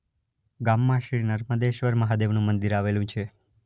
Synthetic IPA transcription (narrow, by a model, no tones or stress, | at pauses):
ɡamːãʃɾiɾnəɾməd̪eʃʋəɾməɦad̪eʋnũmənd̪iɾaʋelũt͡ʃʰe